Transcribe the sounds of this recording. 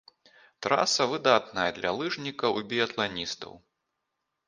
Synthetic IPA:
t̪ɾa̰sɐvɨd̪at̪̚nɐjɐd̪lʲɐ̰lˠɨʐnʲikɐwbʲiɐt̪lˠanʲist̪ɐ̰w

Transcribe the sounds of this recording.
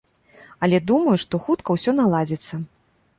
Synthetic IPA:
ɐlʲɛd̪umɐjuʂt̪ɔxut̪kɐwsʲɔnalˠad͡zʲit̪sːɐ

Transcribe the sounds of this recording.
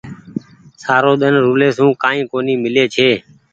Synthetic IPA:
saːɾoːɗ̪ənɾuːleːsũːkãːĩːkoːniːmɪleːt͡ʃʰeː

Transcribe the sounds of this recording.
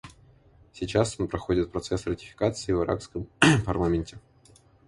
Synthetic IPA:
sʲɪt͡ɕasonpɾɐxo̞dʲɪt̪̚pɾɐt̪sɛsrətʲɪ̥fʲɪ̥kat̪sɨɪvɨɾʔa̰kskəmpɐrlˠamʲɪnʲtʲɪ

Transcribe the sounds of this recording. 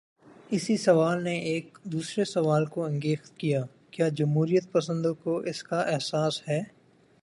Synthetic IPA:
ɪsisɐʋaːlneʔeːk̚d̪uːsɾesɐʋaːlkoɐ̃ŋɡeːxt̪kijaː | kjaːd͡ʒɐmɦuːɾijət̪̚pɐsə̃nd̪õkoʔɪskaʔɛɦsaːshɛː

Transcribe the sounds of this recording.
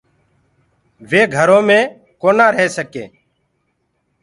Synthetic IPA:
ʋeːɡʱəɾõːmẽː | koːnaːɾəɦeːsəkḛ̃ː

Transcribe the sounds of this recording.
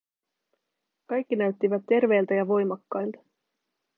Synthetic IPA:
kɑjkːinæɥt̪ːiʋæt̪ːe̞rʋe̞jlt̪ɑjɑʋo̞jmɑkːɑjlt̪ɑ̥

